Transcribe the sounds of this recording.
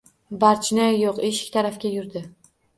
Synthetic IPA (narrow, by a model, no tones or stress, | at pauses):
baɾt͡ʃʰnɪjoqeʃɪ̥kʲt̪ʰaɾafkʲajʊɾd̪ɪ